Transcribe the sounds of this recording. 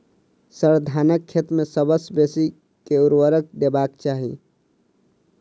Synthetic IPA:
səɾd̪ʱaːnəkʰːet̪mẽsəbəsbeːsi | keʊɾwəɾək̚d̪eːbaːkt͡ʃaːɦḭ

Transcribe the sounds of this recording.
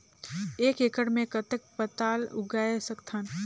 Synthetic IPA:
eːkekəɽmẽkət̪ək̚pət̪aːlʊ̰ɡaːesəkt̪ʰaːn

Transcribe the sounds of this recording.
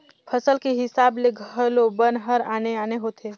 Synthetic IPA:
pʰəsəlkeɦɪsaːbleɡʱəlobənɦəɾa̰ːneaːneɦoːt̪ʰeː

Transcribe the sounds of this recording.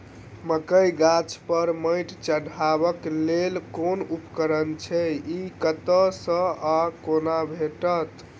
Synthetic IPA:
məkəjɡat͡ʃʰpəɾməjʈt͡ʃəɽʱabəklelkonupkəɾənt͡ʃʰɛikət̪əsə̃akonabʱeʈət̪

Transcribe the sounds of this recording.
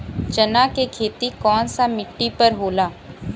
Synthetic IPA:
t͡ʃənaːkekʰeːt̪ikɔːnsamɪʈːipəɾɦoːlaː

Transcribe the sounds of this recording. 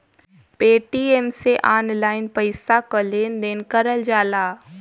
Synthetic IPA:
peːʈieːmseʔaːnlaːɪnpəɪsakəleːnd̪eːnkəɾəld͡ʒaːlaː

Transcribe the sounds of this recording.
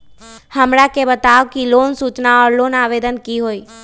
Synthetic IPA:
həmɾakebət̪aʋkilonsut͡ʃnaɔːɾlonaʋed̪ənkiɦoːi

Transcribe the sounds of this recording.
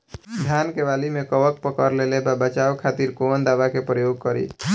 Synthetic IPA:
d̪ʱjankeʋalimekəʋək̚pəkəɾlelebabət͡ʃawkʰat̪iɾkond̪abakepɾəjoɡ̚kəɾḭ

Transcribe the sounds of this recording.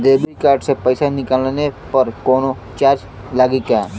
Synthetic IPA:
d̪eːbikaːɾʈsepəɪsanɪkəlenepɐɾkɔːno | t͡ʃaːɾd͡ʒ | laːɡika

